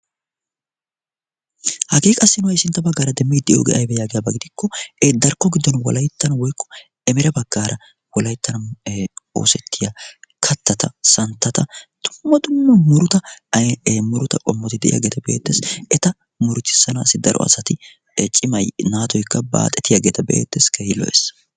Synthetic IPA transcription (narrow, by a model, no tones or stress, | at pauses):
hɐkʼiːkʼɐsːɪnʊwɐjsɪnt̪ːɐbɐɡːaːɾɐd̪ɛmːiːd̪ɪʔjo̰ːɡḛːʔɐjbɛjaːɡɪjabɐɡɪd̪ɪkːɔɛd̪ɐɾkːɔɡɪd̪ːɔnwɔ̰lɐjt̪ːɐnɐwɔjkːɔ̥ | ɛmɛɾɛbɐɡːaːɾʔɐ | wɔlɐjt̪ːɐnɐ | o̞̰ːsɛt̪ːɪjakʰɐt̪ːɐt̪ɐsɐnt̪ːɐt̪ɐd̪̥ʊmːɐd̪ʊmːɐmʊɾʊt̪ɐ | mʊɾʊt̪ɐkʼɔmːɔt̪ɪd̪ɛʔɪja̰ːɡe̞ːt̪ɐbe̞̰ːt̪ːeːsɛt̪ɐ | mʊɾʊt͡ʃ̪ːɪ̥sːɐnaːsɪd̪ɐɾɔ̰ɐ̰sɐt̪ɪ | t͡ʃʼɪmɐjnaːt̪ɔjkːɐba̰ːt̪ʼɛt̪ɪjaɡeːt̪ɐbḛːt̪ːeːskeɪlɔ̰ʔḛs